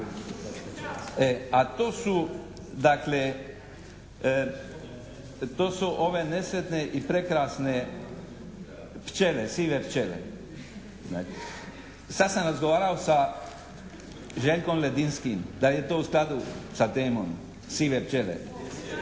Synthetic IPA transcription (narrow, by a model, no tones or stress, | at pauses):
eat̪oːsu | d̪akle | t̪oːsuʔo̞ʋe̞nesʋet̪neʔipɾekɾaːsne | pt͡ʃelesiːʋept͡ʃelḛ | na̰ː | sad̪samɾazɡoʋaːɾaosa | ʒeʎkomled̪inskimd̪aljet̪oːusklad̪usat̪eːmo̰m | siːʋept͡ʃelḛ